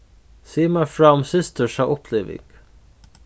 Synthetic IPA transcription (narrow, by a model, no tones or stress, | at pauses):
siːmafɹaʊmsɪst̪ʰəʂaʔɔpʰleːvɪ̰ɡ̥